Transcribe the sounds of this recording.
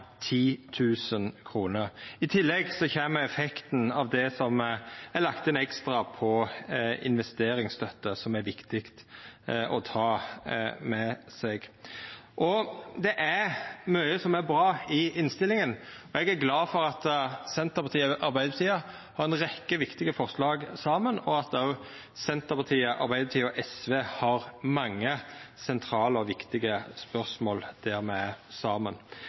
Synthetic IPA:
t̪ʰiːt̪ʰʉːsənkʰɾuːnəɾɪt̪ʰɪlːɛɡsɔçɛːmːəɛfɛkt̪n̩ɑʋd̪ɛsɔmɛlɑkt̪ɛnɛkst̪ɾɑpʰɔɪ̰nʋɛst̪eːɾɪŋst̪ʰœt̪ːəsɔmæɾʋɪkt̪ɪkt̪ʔɔt̪ʰɑː | mɛsɛɡ | ʔɔd̪ɛʔæɾmœʏəsɔmæɾbɾɑːɪɪnst̪ɪlːɪŋən | ɔɛɡæɾɡlɑːfɔɾɑt̪sɛnt̪əɾpʰɑt̪ʰiːəʔɑɾbæɪd̪əpʰɑt̪iːə | hɑɾɛnɾɛkːəʋɪkt̪ɪɡəfɔʁʂlɑːɡsɑːmənɔɑt̪̚ɑʉ | sɛnt̪əpʰɑt̪ʰiːəʔɑ̰ɾbæɪd̪əp̚t̪iːɔʔɛsʋeːhɑʁmɑŋːəsɛnt̪ʰɾɑːləɔʋɪkt̪ɪɡəspœʁsmoːld̪̥æɾmɛsɑːmən

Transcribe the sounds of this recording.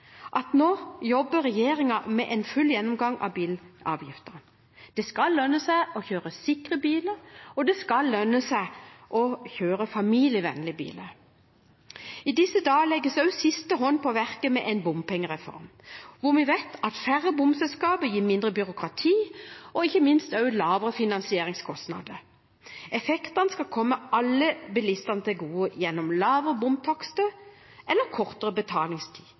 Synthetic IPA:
ʔɑt̪noːjɔbːəɾɛjeːʁɪŋɑmɛʔɛnfʉlːjɛnːʊmɡɑŋɑ̰biːlɑ̰ːʋjɪft̪əʁn | d̪̥ɛskɑlːœnːəsæɪɔçøːɾəsɪkʁəbiːləɾɔd̪ɛskɑlːœnːəsæɪʔɔçøːɾəfɑmiːljəʋɛ̰nlɪbḭːlə | id̪ɪsːəd̪ɑːəlɛɡːəsœʉsɪst̪əɦɔnːpʰɔʋæʁkəmɛʔɛɪnbʊmpʰɛŋːəʁɛfɔ̰ɾmʋʊʁmɪʋɛɪt̪ʰɑt̪fæʁəbʊmsɛlskɑːbəjiːmɪnd̪ʁəbʏɾʊkʁɑt̪ʰiːɔɪçːəmɪnst̪œʉlɑːʋəʁəfɪnɑnsɪeːɾɪŋskʰɔst̪nɑ̰d̪ə | ɛfɛkt̪ɑnəskɑkʰɔmːəʔɑlːəbɪlɪst̪ɑnət̪ɪlɡuːəjɛnːɔmlɑːʋəʁəbʊmt̪ʰɑkst̪əʔɛlːəkʰɔʁt̪əʁəbət̪ʰɑːlɪŋst̪ʰi̥ː

